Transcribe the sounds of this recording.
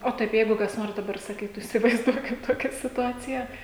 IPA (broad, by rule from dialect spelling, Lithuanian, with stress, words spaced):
oː ˈtɐɪp ˈjɛɪɡʊ kɐs ˈnoːrs dɐˈbɐr sɐˈkʲiːtʊ ɪsʲɪʋɐɪzˈduɔkʲɪm ˈtoːkʲɛ sʲɪtʊˈɑːt͡sʲɪjɛ